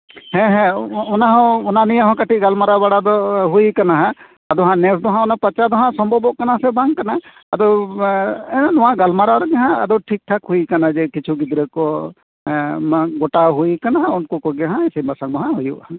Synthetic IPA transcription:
hɛ̃ɦɛ̃ɔnaɦɔ̃ɔnanijaɦɔ̃kaʈʰit̚ɡalmaɾabaɽad̪ɔɦujkanaɦã | ad̪ɔɦãnɛsd̪ɔɦãɔnapat͡ʃad̪ɔɦãʔsɔmbʱɔbɔʔkanasɛbaŋkanaː | d̪ɔw | ɛnd̪ɔwãɡalmaɾaɾɔɡãɦãa̰d̪ɔwʈʰik̚ʈʰakhujkanad͡ʒɛkit͡ʃʰuɡid̪ɾɛkɔ | ɡɔʈaɦujkanaɦãunkɔkɔɡaɦãɛsɛbasaŋd̪ɔɦãɦujuʔaa

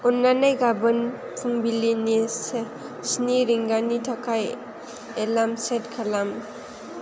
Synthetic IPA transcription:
ɔnːanajɡabɯn | pʰuŋbilinis | sniɾiŋɡanitʰakʰaj | elamsetkʰalam

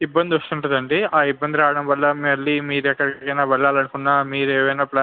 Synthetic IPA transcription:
ibːɐnd̪iɔst̪uɳʈund̪ɐɳɖiaːibːɐnd̪iɾaːɽɐmʋɐlːɐmɐɭːimiːɾuɛkːɐɽikɐjnaːʋɐɭːaːlɐnukunːaːmiːɾeːʋɐjnaːplaː

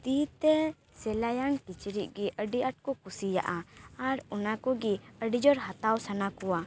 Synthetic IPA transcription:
t̪it̪ɛ | sɛlajaŋkit͡ʃɾit̚ɡiʔəɖiʔaʈ̚kɔkusija̰ʔaaɾɔnakɔɡiəɖid͡ʒɔɾɦat̪awsanakɔwa

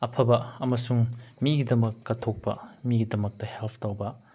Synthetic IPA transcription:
ɐpʰɐbɐɐmɐsuŋmiɡidɐmɐkːɐtʰok̚pɐ̰miɡidɐmɐk̚tɐhelpʰtowbɐ

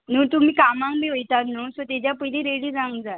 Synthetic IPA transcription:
nuːt̪um̤iːkamãŋkbiɦojt̪aɾnuːsɔt̪ed͡ʑjapəjlĩːɾeɽiːd͡zãŋɡd͡za

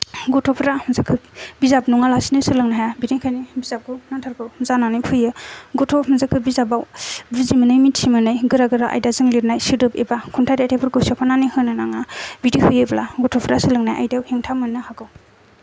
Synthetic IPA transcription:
ɡɔtʰɔpʰɾamzakʰɯpbizap̚nɔŋalasinɯsɯlɯŋnaɦajabidiŋkʰajnibizap̚ɡɯwnantʰaɾɡɯwzananɯjpʰɯjɯɡɔtʰɔmzakʰɯbizabawbizimɯnɯjmitʰimɯnɯjɡɯɾaɡɯɾaʔa̰jdazɯŋliɾnajsidɯpebakʰuntʰajɾiatʰepʰɯɾɡɯsapʰananihɯnɯnaŋabidihɯjɯblaɡɔtʰɔpʰɾasɯlɯŋnajʔa̰jdawheŋtʰamɯnɯhaɡɯw

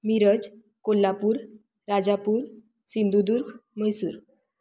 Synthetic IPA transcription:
miɾəd͡z | kolːapuːɾ | ɾad͡ʑapuːɾ | sind̪ud̪uɾkʰməjsuːɾ

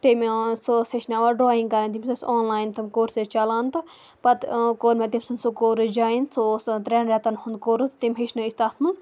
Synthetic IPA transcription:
t̪imʲsoːseʃnaʋaɖɾoːĩŋɡkɐɾɐnt̪̬imʲsɐsoːnlaːjnt̪ɐmʲkoːɾset͡ʃɐlaːnt̪ɨ | pɐt̪koːɾmẽt̪imʲsunsukoːɾɨd͡ʒaːinsost̪ɾeːnɾɛt̪ɐnhund̪̚koːɾɨzt̪imʲɦeʃnuist̪at̪ʰmɨnz

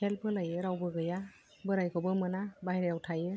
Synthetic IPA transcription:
ɛlpʰɯlajɯɾawbɯɡɯja | bɯɾajkʰɔbɯmɯnabaɦjɾejawtʰajɯ

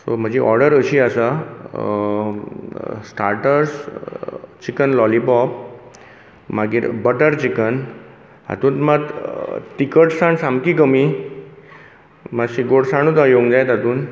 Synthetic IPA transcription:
so̰m̤əd͡ʑeʔɔɾɖəɾəɕiːasa | sʈaɾʈəɾs | t͡ɕikənlɔlibɔp̚ | maɡiːɾbəʈəɾt͡ɕikən | ɦa̰t̪uːnməɡt̪ikəʈsaɳsamkikəmi | maɕiɡoɽsaɽ̃uːt̪ajoŋɡd͡zajt̪ɦat̪uːn

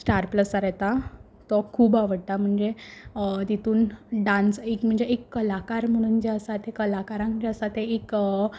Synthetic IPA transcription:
sʈaɾpləsaɾɛt̪a | t̪ɔkʰuːbaʋəɽt̪am̤əɳd͡ze | t̪it̪uːnɖãnsekm̤əɳd͡zeʔekːəlakaɾm̤əɽ̃und͡ʑeəsat̪ekəlakaɾãŋkd͡ʑeəsat̪eek

